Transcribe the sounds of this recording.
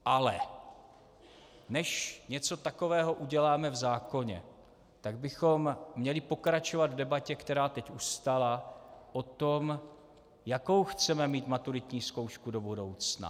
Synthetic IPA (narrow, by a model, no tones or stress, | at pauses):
ʔalɛ̰ | nɛʃɲɛt͡so̞t̪ako̞vɛːɦo̞ʔuɟɛlaːmɛvzaːko̞ɲɛ̰ | t̪aɡ̚bɪxo̞mːɲɛlɪpo̞kɾat͡ʃovad̪vdɛbacɛkt̪ɛɾaːt̪ɛcʔust̪alaʔot̪o̞m | jako̞wxt͡sɛmɛmiːt̪mat̪uɾɪt̪ɲiːsko̞wʃkudo̞budo̞wt͡sna̰